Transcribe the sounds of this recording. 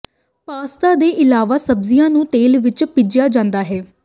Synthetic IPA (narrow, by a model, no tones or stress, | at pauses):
paːst̪aːd̪eːʔɪlaːʋaːsəbzijãːnũːt̪eːlʋɪt͡ʃpɪd͡ʒjaːd͡ʒãːnd̪aːɦɛː